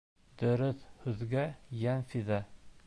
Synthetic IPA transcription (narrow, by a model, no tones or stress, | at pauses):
d̪̥ɵ̆ɾɵθhʉðɡæjænfiðæ